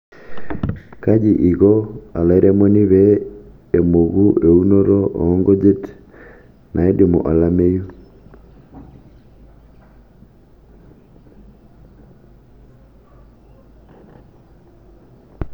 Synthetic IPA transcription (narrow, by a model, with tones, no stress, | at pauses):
ka˦d͡ʒiʔi˨ɣɔ˦a̰˨la˨iɾʔɛ˦mo˦ni˦βɛː˨ | mo˨ɣuʔe˨uno˦ɾɔ˦ʔɔ̰ː˦ŋɡo˦d͡ʒe˦t | nʔa˨e˦di˨mo̰˨ʔa˨la˦me˦ju˦